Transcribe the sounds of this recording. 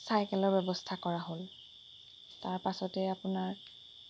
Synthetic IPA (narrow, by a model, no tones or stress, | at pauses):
sajkɛlɔɹbɛbɔstʰakɔɹaɦol | taɹpasɔtɛapʊnaɹ